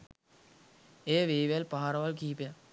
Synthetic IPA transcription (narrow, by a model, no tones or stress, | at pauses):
eːʋeːʋelpaɦaɾʋalkiːpja